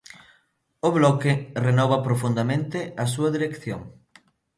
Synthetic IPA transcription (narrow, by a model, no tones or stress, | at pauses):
ʊβlɔkɪrenɔβɐpɾofund̪ɐmẽnt̪ɪɐs̬uɐðiɾekθjo̰ŋ